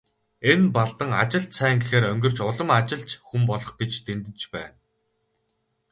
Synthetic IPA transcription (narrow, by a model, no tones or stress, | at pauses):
enpaɮt̪ə̆ŋa̰t͡ɕɪ̆ɬt̪sʰæːŋɡexeːɾœŋɡʲɵ̆r̥t͡ɕʊɮə̆mat͡ɕɪ̆ɮt͡ɕxumpɔɮɞ̆χɡet͡ɕt̪ent̪ɘ̆nt͡ɕpæ̰ːn